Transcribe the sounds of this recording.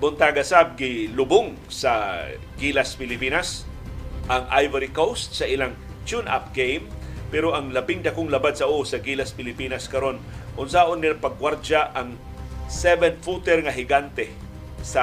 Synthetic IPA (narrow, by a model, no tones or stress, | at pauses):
bʊnt̪aɡasab̚ɡɪlʊboŋ | sɐ | ɡilaspɪlɪpiːnas | ʔɐŋʔajvɐɾikowst̪̚sɐʔɪlaŋ | t͡ʃunʔa̰p̚ɡejmpɛɾoʔɐŋlɐbɪŋd̪ɐkoŋlɐbad̪̚sɐʔuʔsɐɡilaspɪlɪpiːnɐskɐɾo̞nʔʊnsaʔonːɪlapɐɡ̚waɾd͡ʒaʔɐŋ | sɛvɛnfut̪ɛɾŋɐɦɪɡant̪ɛ | sɐ